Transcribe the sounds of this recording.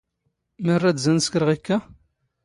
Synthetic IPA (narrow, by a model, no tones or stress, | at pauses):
mərːæd̪zænskɾəʁikːæ